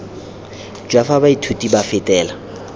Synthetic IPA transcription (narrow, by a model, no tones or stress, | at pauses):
d͡ʒwafabaitʰutʼibafɪtʼɛːla